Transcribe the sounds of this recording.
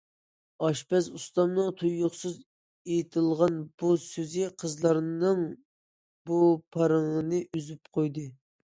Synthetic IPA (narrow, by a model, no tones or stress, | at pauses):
ɑʃpɛzust̪ɑmnɨŋt̪ʰujːʊχsɨz | ejt̪ʰɨlˠʁɑnb̥usøzɪqʰəzlˠɑɾnɨŋ | bupʰɑɾɨŋnɨʔyzypqʰojd̪ɨ